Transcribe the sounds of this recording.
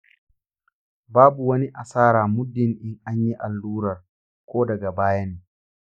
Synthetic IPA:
baː˦bu˨wɐ˦ni˦ʔa˨saː˦ɾaː˨mʊ˦dːɪ˨ŋʔɪ˦ŋʔa˦ɲji˦ʔa˨lːuː˦ɾɐ˨r | kʷʰoː˦dɐ˨ɡa˨baː˦ja˦neː˨

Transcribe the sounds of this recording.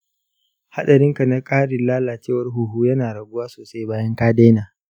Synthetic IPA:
ha˦ɗɐ˨ɾɪ˦ŋka˨na˦kʼaː˦ɽɪ˨nlaː˦laː˨t͡ʃeː˦˨wɐ˦rɦu˨ɦuː˦jɐ˦naː˨ɽɐ˨ɡʷʊ˦waː˦soː˨sa˦jbaː˦jɐ˦ŋkaː˦deː˦naː˨

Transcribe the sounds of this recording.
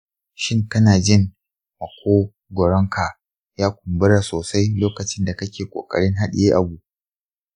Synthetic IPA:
ʃɪ˦˨ŋkɐ˦naː˨d͡ʒɪ˦ŋ | mɐ˨kʷoː˦ | ɡʷɔ˨ɽɔ˦ŋkʰa˨ | jaː˦kʷʊ˨mbɪ˦ɽa˨soː˨sa˦jloː˦kɐ˨t͡ʃɪ˦nda˨kɐ˦kʲeː˨kʷʼo̰ː˨kʼɐ̰˨ɽɪ˦ŋɦa˦ɗiɪ˨jeː˦ʔa˨bu˨

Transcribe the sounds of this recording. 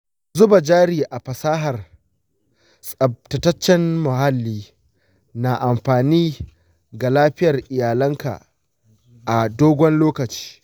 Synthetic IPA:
zʊ˦ba˨d͡ʒaː˦ɾiː˨ʔa˨ɸɐ˨saː˦ɦɐ˨r | sʼɐ˨b̚tɐ˨tɐ˦t͡ʃːɛ˦nmʊ˨ɦa˦lːiː˦ | na˨ʔa˨mɸaː˨niː˦ | ɡa˨laː˦ɸɪ˦jɐ˨rʔɪ˨jaː˨lɐ˦ŋka̰˨ | ʔa˨doː˦ɡʷɔ˦nloː˦kɐ˨t͡ʃi̥ː˦

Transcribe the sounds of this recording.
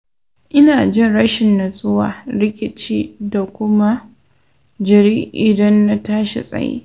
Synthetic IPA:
ʔɪ˦naː˨d͡ʒɪ˦nɽɐ˦ʃɪ˨nːa˨sʼʊ˦wa̰ː˨ɾɪ˦kʲʼɪ˨t͡ʃiː˦da˨kʷʊ˦ma˦ | d͡ʒɐ˨ɾiː˦ʔɪ˨dɐ˦nːa˦taː˦ʃḛ˨sʼɐ̰˦jḛː˦

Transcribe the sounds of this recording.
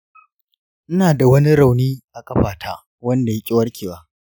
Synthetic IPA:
ʔɪ˦naː˨da˨wɐ˦ni˦ɾa˨wniː˦ʔa˨kʼɐ˦ɸaː˨tʰa̰ː˦ | wɐ˦nda˨ji˦kʲʼɪ˦wɐ˦rkʲeː˨waː˦

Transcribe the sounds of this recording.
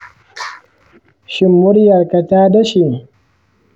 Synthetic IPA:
ʃɪ˦˨mːʊ˦ɾjɐ˨ɾka˨taː˦da˦ʃi˨

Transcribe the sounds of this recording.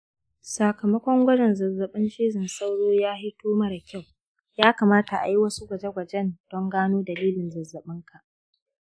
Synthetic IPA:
sa˨kɐ˨mɐ˦kʷɔ˦ŋɡʷɐ˦d͡ʒɛ˨nzɐ˨zːɐ˨ɓɪ˦nʃiː˦zɪ˨nsa˦wɽoː˦jaː˦ɦɪ˦toː˦mɐ˦ɽa˨kʲa˦˨w | jaː˦kaː˨maː˦ta˨ʔa̰˨ji˦wɐ˦su˦ɡʷɐ˨d͡ʒe˦ɡʷɐ˨d͡ʒɛ˦nd̥ɔ˦ŋɡaː˦noː˦dɐ˨liː˦lɪ˨nzɐ˨zːɐ˨ɓɪ˦ŋkʰa˨ʔ

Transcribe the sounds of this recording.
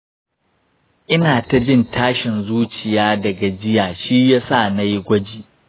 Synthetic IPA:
ʔɪ˦naː˨ta˨d͡ʒɪ˦ntʰaː˦ʃɪ˨nzuː˦t͡ʃɪ˨jaː˦dɐ˨ɡa˨d͡ʒɪ˦jaː˨ʃi˦jaː˦sa˦˨na˦jɡʷɐ˦d͡ʒiː˨

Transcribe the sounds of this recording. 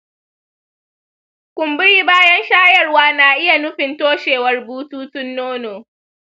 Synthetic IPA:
kʷʊ˨mbɪ˦ɽiː˦baː˦jɐ˦nʃaː˦jɐ˦˨rwaː˦naː˨ʔɪ˦ja˨nʊ˦ɸɪ˨ntoː˦ʃeː˨wɐ˦rbuː˦tuː˦tʊ˦nːoː˦noː˨

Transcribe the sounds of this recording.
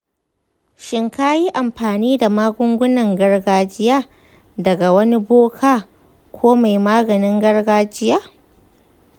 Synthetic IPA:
ʃɪ˨ŋka˦ji˦ʔa˨mɸaː˨niː˦da˨maː˦ɡʷʊ˦ŋɡʷʊ˦nɐ˨ŋɡɐ˦rɡaː˦d͡ʒɪ˦jaː˦ | dɐ˨ɡa˨wɐ˦ni˦boː˦kʰaː˦ | kʷʰoː˦ma˨jmaː˦ɡɐ˨nɪ˦ŋɡɐ˦rɡaː˦d͡ʒɪ˦jaː˦

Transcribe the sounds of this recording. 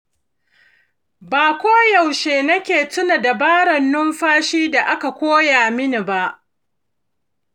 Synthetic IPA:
baː˨kʷoː˦ja˨wʃeː˨nɐ˦kʲeː˨tʊ˦na˨da˨baː˦ɽɐ˨nːʊ˦mɸaː˦ʃiː˦da˨ʔa˦ka˨kʷoː˦jaː˨mɪ˦ni˨ba˦ʔ

